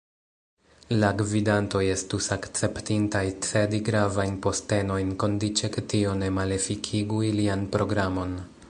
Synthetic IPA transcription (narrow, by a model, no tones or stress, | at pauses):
laɡvidanto̞je̞stusakt͡se̞ptintajt͡se̞diɡɾavajnpo̞ste̞no̞jnko̞ndit͡ʃe̞ketio̞ne̞male̞fikʰiɡuilianpɾo̞ɡɾamo̞n